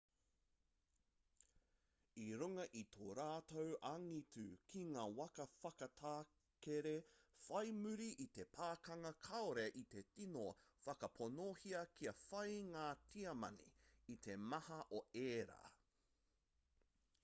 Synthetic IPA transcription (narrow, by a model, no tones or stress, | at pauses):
iɾuŋɐʔit̪ʰoːɾaːt̪owɐŋitʉkʰiŋaːwɐkɐfɐkɐtʰaː | keɾefɐjmʉɾiʔːt̪e̞pʰaːkɐŋɐkʰɐoɾeʔit̪e̞tinofɐkɐpʰonohiɐkʰiɐfɐjŋaːtʰiɐmɐ̰nḭːt̪ʰemɐhɐʔoeːɾa̰ː